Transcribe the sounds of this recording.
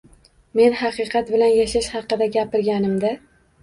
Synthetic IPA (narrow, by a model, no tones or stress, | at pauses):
me̞nhɑqɨqʰɑt̪bɪlanjaʃaʃhɑqɨd̪aɡʲapɪɾɡʲanɪmd̪ɪ